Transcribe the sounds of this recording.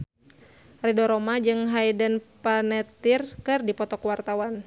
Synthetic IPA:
ridɔɾɔmad͡ʒɨŋɦajdənpanɛt̪irkɨrdipɔt̪ɔkuwart̪awan

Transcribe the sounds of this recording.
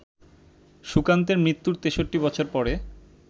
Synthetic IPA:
ʃukant̪̬eɾmɾit̪ːuɾt̪eʃoʈːibɔt͡ɕʰoɾpɔɾe

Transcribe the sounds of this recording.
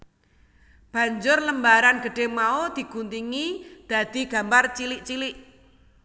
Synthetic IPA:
b̥ä̤ɲd͡ʒʊrləmbaɾanɡ̥ə̤ɖ̥e̤maod̪̥i̤ɡ̥unt̪iŋid̪̥a̤d̪̥i̤ɡ̥ä̤mbart͡ʃilɪʔt͡ʃilɪʔ

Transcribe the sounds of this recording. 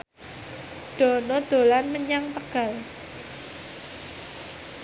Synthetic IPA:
ɖ̥ɔ̤nɔd̪̥o̤lanməɲaŋt̪əɡ̥a̤l

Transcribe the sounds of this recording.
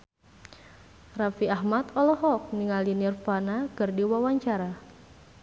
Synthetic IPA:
rafiahmat̪ɔlɔɦɔk̚niŋalinirfanakɨrdiwawaɲt͡ʃaɾa

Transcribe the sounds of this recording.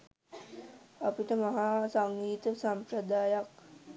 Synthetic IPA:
apiʈəmaɦaːsaŋɡiːt̪əsampɾəd̪aːjak

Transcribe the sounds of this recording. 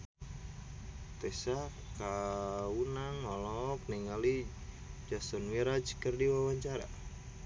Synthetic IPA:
t̪ɛsa | kaunaŋɔlɔk̚niŋali | d͡ʒasɔnwiɾad͡ʒkərdiwawaɲt͡ʃaɾa̰

